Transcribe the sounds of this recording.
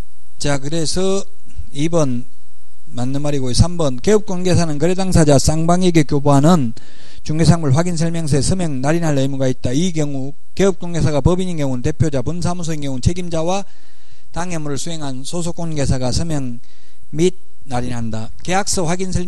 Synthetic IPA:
t͡ɕakɯɾesʰʌ | ibʌn | manːɯnmaɾiɡoisʰambʌnke̞ɯp̚k͈onɡe̞s̬ʰanɯnkɯɾedaŋsʰad͡ʑas͈aŋbaŋeɡekjoboɦanɯn | t͡ɕuŋɡesʰaŋmuɭɸwaɡinsʰʌɭmjʌŋs̬ʰesʰɯmeŋnaɾinɦaɭɯmuɡait̚t͈aiɡʌŋu | ke̞ɯp̚k͈onɡe̞sʰaɡapʌbiɲinkjʌŋunte̞pʰjod͡ʑapuns̬ʰamus̬ʰoinkjʌŋunt͡ɕʰe̞ɡimd͡ʑawa | taŋe̞muɾɯɭsʰuɦe̞ŋɦansʰos̬ʰok͈onɡe̞sʰaɡasʰɯmjeŋ | mid̚ | naɾinɦanda | ke̞ak̚s͈ʌɸwaɡinsʰʌɭ

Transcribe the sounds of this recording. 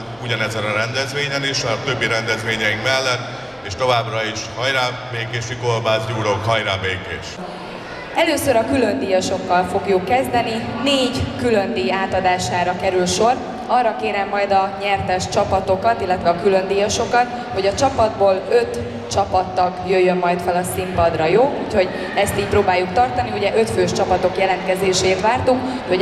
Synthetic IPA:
uɟɒnɛzɛnɒɾɛnd̪ɛzʋeːɲɛniʃɒt̪ø̞bːiɾɛnd̪ɛzʋeːɲɛiŋkmɛlːɛt̪ː | eːʃt̪o̞vaːbrɒiʃhɒjɾaː | beːkeːʃikorbaːzɟuːɾokɦɒjɾaːbeːkeːʃ | ɛløːsøɾɒkylø̞nd̪iːjɒʃo̞kːɒlfo̞ɡjukːɛzd̪ɛnineːɟkylø̞nd̪iːaːt̪ɒd̪aːʃaːɾɒkɛɾylʃo̞r | ɒrːɒkeːɾɛmːɒjd̪ɒɲɛrt̪ɛʃt͡ʃɒpɒt̪o̞kɒt̪ilːɛt̪ʋɛɒkylø̞nd̪iːjɒʃo̞kɒt̪ | ho̞ɟɒt͡ʃɒpɒd̪̚boːlø̞t̪ | t͡ʃɒpɒt̪ːɒkjøjːømːɒjt̪fɛlɒsimpɒd̪rɒjoːuːcho̞ɟ | ɛst̪iːcproːbaːjukt̪ɒrt̪ɒniuɟɛʔø̞t̪føːʃt͡ʃɒpɒt̪o̞kjɛlɛnt̪̚kɛzeːʃeːt̪ʋaːrt̪uk | uo

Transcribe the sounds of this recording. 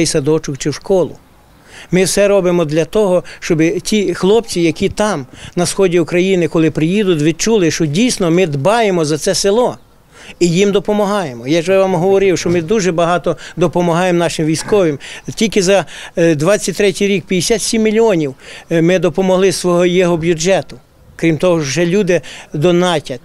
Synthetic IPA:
ɛjsɐd̪ɔt͡ʃʊkt͡ʃɪwʃkɔlˠʊ | mɪwsɛɾɔbɪmɔd̪lʲɐt̪ɔɦɔʃt͡ʃɔbɪtʲixlˠɔp̚t͡sʲijɐkʲit̪ɑmnɐsxɔdʲiukɾɐjinɪkɔlˠɪpɾɪjid̪ʊt̪̬ʲʋʲid̪̚t͡ʃulˠɪʃt͡ʃɔdʲijsnɔmɪd̪bɑjemɔzɐt̪sɛsɪlˠɔ | ijimd̪ɔpɔmɐɦɑjemɔjaʒɛʋɑmɦɔʋɔɾɪwʃt͡ʃɔmɪd̪uʒɛbɐɦɑt̪ɔd̪ɔpɔmɐɦɑjemnɑʃɪmʋʲijskɔʋɪmtʲilʲkɪzɐd̪ʋɑt͡sʲːɐt̚ʲt̪ɾɛtʲijɾʲik̚pʲjijesʲat̪sʲimːʲilʲiɔnʲiwmɪd̪ɔpɔmɔɦlˠɪsʋɔɦɔjɛɦɔbʲjʊd͡ʒɛt̪ʊ | kɾʲimt̪ɔɦɔwʒɛlʲud̪ɪd̪ɔnɑtʲɐt̚ʲ

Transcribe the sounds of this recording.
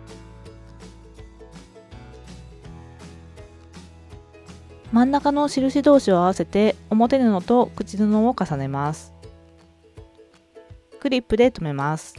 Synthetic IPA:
mãnːakano̞ɕiɾɯ̟ɕid̪o̞ːɕio̞aβase̞t̪e̞o̞mo̞t̪e̞ɾɯ̟no̞t̪o̞kɯ̟t͡ɕinonookasane̞masɨ̥ | kɯ̟ɾʲipːɯ̟d̪e̞t̪o̞me̞masɨ̥

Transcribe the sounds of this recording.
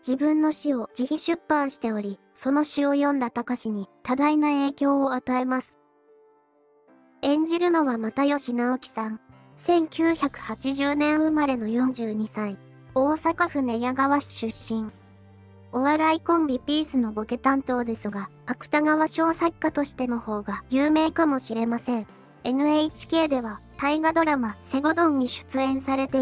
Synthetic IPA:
d͡ʑibɯ̟̃nːo̞ɕio̞d͡ʑiçĩɕɨpːãɰ̃ɕi̥t̪e̞o̞ɾʲi | so̞no̞ɕio̞jõ̞nd̪at̪akaɕiɲ̟it̪ad̪ainae̞ːkʲo̞ːat̪ae̞masɨ̥ | ẽ̞ɲ̟d͡ʑiɾɯ̟no̞βamat̪ajo̞ɕinaokʲi̥sãŋ | sẽ̞ŋkʲɨːçakɯ̟̥hat͡ɕiʑɨːnẽ̞ɰ̃ɯmaɾe̞no̞jõ̞ɲ̟d͡ʑɨːɲ̟isãĩ | o̞ːsakaɸɯ̟ne̞jaɡaβaɕi̥ɕɨɕːĩŋ | o̞βaɾaikõ̞mbʲipʲiːsɨno̞bo̞ke̞t̪ãnt̪o̞ːd̪e̞sɨɡapakɯ̟̥t̪aɡaβaɕo̞ːsakːat̪o̞ɕi̥t̪e̞no̞ho̞ːɡajɯːme̞ːkamo̞ɕiɾe̞masẽ̞ɴ | e̞nɯ̟eit͡ɕi̥ke̞ːd̪e̞β̞at̪aiɡad̪o̞ɾamase̞ɡo̞d̪õ̞ɲ̟ːiɕɨ̥t͡sɨẽ̞ɰ̃saɾe̞t̪e̞

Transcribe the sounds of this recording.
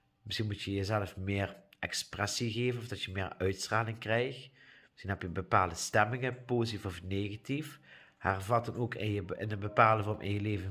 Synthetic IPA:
mɪsxinmutjəjəzɛləfmɪːrʔɛksprɛsiɣeːvənɔfdɑtjəmɪːɹœɥtstraːlɪŋkrɛjxtmɪsxinɦɛpjəbəpaːlˠdəstɛmɪŋəpoːzfɔfneɣatif | hɛrvɑdɑnoːkɪnjəɪnənbəpaːlˠdəvɔɹmʔɪ̰njəleːvə

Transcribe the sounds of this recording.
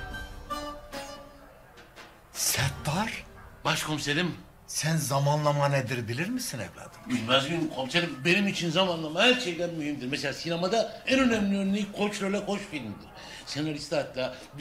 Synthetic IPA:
sɛt̪ːaɾ̥baʃkʰo̞mselʲim | sænzamanlˠamaned̪iɾbilʲiɾmisinḛvlʲa̰ːd̪ɯminmazɡynkʰomselʲimbe̞nimit͡ʃʰinzamanlˠamahæɾt͡ʃʰejd̪ænmyhimd̪iɾmeselʲaːsinamad̪aænø̞næmlʲiønlʲikʰo̞t͡ʃløɾlʲɛkʰo̞ʃfilʲmid̪iɾ̥ | senaɾist̪at̪lʲa

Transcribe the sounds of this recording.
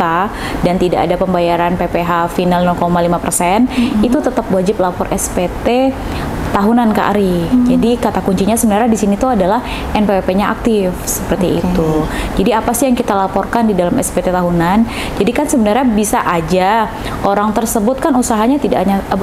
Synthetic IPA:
t̪a | dant̪idaʔa̰dapəmbajaɾanpepeɦafinalnɔlkomalimapərsɛnit̪ut̪ət̪apwad͡ʒɪplapɔrɛspet̪e | t̪aɦunanka̰ʔa̰ɾid͡ʒadikat̪akuɲt͡ʃiɲasəbənarɲadisinit̪uadalah | ʔɛnpepepeɲaʔa̰k̚t̪ɪfsə̥pərt̪ḭːt̪ud͡ʒadiapasijaŋkit̪alapɔrkandidalamɛspet̪et̪aɦunan | d͡ʒadikansəbənarɲabisaʔad͡ʒa | ʔoɾaŋt̪ərsəbʊt̪̚kanusaɦaɲat̪ida̰ɲa

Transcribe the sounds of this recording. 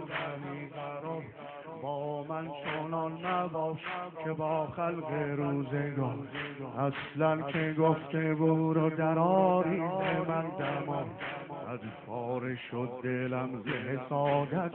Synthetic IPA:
æmiːɡæɾɒɾ | bɒːmænt͡ʃʰonɒnːæbɒːʃkʰebːxælɣeɾuːzeɡɔːɾʔæslænkʲʰeɡoft̪ʰeɡuːɾod̪æɾɒːɾiːb̪ʰemænd̪æmɒnʔæzfɒːɾeʃod̪̚ːelæmzeɦesɒːd̪æt̪

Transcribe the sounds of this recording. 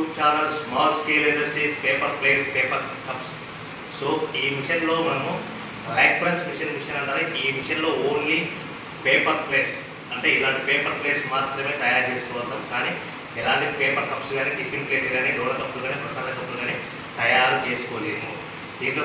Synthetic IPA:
upt͡ʃaːɾnɐlsmaːlskeːlendɐɾsʈiːspeːpɐɾpleːɾspeːpɐɾ | kɐps | soːiːʋiʂjɐnlo̞ːmɐnɐmu | blaːk̚pɾɐsʋiʂjɐnmiʂjɐnɐɳʈaːɾaʔiːʋiʂɐjɐnlo̞ːoːnliː | peːpɐɾpleːs | ɐɳʈe̞ːilaːɳʈipeːpɐɾpleːsmaːt̪ɾɐme̞ːt̪ɐjaːɾt͡ʃeːsu̥kɔːʋɐld̪aːmkaːniː | ɛlaːɳʈipeːpɐɾkɐpsɡaːneːʈipːinpleːʈɡaːneːɖɔːɽɐd̪ɐbːuluɡaːneːpɾɐsaːɾɐlɐd̪ɐbːuluɡaːneː | t̪ɐjaːɾut͡ʃe̞ːsu̥koːleːmu | d̪iːnt̪o

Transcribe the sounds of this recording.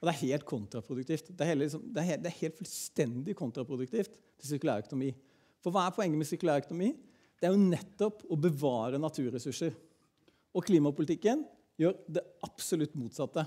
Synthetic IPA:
ɔd̪ɛæɾheːlt̪̚kʰʊnt̪ɾɑpʰɾʊd̪ʉk̚t̪iːft̪d̪ɛæɾhɛləɾɪsɔmd̪ɛæɾhd̪ɛæɾheːlt̪fʉlst̪ɛnd̪ɪkʰʊnt̪ɾɑpʰɾʊd̪ʉk̚t̪iːft̪ | t̪ʰːɪs̬ʏɾkʉlɑːɾœkʊnʊmiː | fɔɾʋɑːæpʰɔɛŋːəmɛsʏɾklɑɾœkʊnʊmiː | d̪̥ɛæɾjʊnɛt̪ːɔpɔbəʋɑːɾənɑt̪ʰʉːɾɛsʉʂəɾ | ɔkʰliːmɑpʊlɪt̪ɪkːən | jøːɾd̪ɛʔɑpsɔlʉt̪ːmuːt̪sɑt̪ːə

